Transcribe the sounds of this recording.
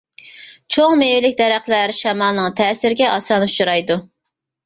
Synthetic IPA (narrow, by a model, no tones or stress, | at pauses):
t͡ʃʰoŋmewɪlɪkʲd̪ɛɾæχlæɾʃɛmɑlˠnɨŋt̪ʰɛːsɪɾɪɡʲɛʔɑsɑːnɨ̥t͡ʃʰuɾɑjd̪u